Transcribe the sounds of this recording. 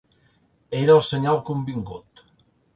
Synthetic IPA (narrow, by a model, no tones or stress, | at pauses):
eɾəlˠseɲalˠkumbiŋɡut̪